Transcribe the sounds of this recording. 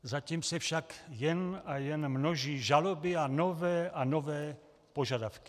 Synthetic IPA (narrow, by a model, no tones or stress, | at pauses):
zaciːmsɛfʃakjɛnajɛnmnoʒiːʒalobɪanovɛːʔanovɛː | poʒadafki̥